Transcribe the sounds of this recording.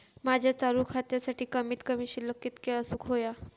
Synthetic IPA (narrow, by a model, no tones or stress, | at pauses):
mad͡ʑʱjat͡saɾukʰat̪jasaʈiːkəmiːt̪kəmiɕiləkːit̪keəsuːkɦoja